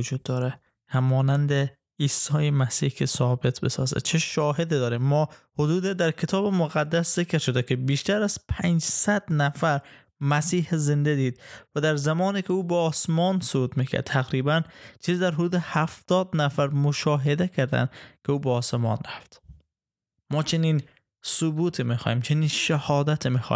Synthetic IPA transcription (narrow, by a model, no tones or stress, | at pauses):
ʊd͡ʒuːd̪̚ːɒːɾe | hæmɒːnænd̪e | iːsːɒːjemæsiːhkʰesɒːbet̪ʰbesɒ̰ːzæ̰̥t͡ʃʰeʃɒːɦed̪id̪ɒːɾiːmːɒːhod̪uːd̪ed̪æɾkʰet̪ʰɒːbemoɣæd̪ːæszekɾʃod̪ekʰebiːʃt̪æɾæz̥pʰænd͡ʒsæd̪næfæɾ | mæsiːhezend̪ed̪iːd̪væd̪æɾzæmɒːniːkʰʲeuːbeɒːsmɒːnsobuːt̪miːkʰæ̰ɾd̪̚t̪ʰæɣɾiːbænt͡ʃʰiːziːd̪æɾɦod̪uːd̪ehæft̪ɒːd̪næfæɾmoʃɒːɦed̪ekʰæɾd̪æ̰nd̪kʰeuːbeɒːsemɒ̰ːnɾæft̪ | mɒːt͡ʃʰeniːn | sobuːt̪ʰimixɒ̰jiːmt͡ʃʰeniːnʃæhɒːd̪æt̪ʰimiːxɒ̰ː